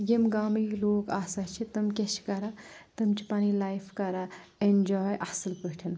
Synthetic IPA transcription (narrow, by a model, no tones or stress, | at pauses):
jemɡaːmiloːkaːsaɦt͡ʃʰit̪ɐmkʲet͡ʃʰi̥kɐɾat̪ɐmt͡ʃʰi̥paːnilaːjpʰkɐɾaend͡ʒɔːjʔasɐlpəɦʈʰɐn